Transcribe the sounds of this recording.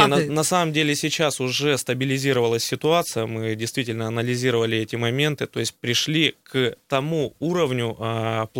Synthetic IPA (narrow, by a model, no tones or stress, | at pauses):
nnɐsaməmdʲelʲɪsʲɪt͡ɕasʊʐɛst̪əbʲɪlʲɪzʲiɾəvəlˠəsʲːɪt̪ʊat̪sɨjəmɨdʲɪjst̪vʲitʲɪlʲnəɐnəlʲɪzʲiɾəvəlʲɪɛtʲɪmɐmʲe̞nt̪ɨt̪o̞ɪsʲt̚ʲpɾʲɪʂlʲikt̪ɐmuuɾəvnʲʊp̪